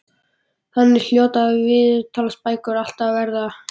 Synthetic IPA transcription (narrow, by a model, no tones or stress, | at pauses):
hanːɛɾ̥l̥joːwt̪avɪðt̪ʰaːlaspaːjkʏɾal̥t̪avvɛɾða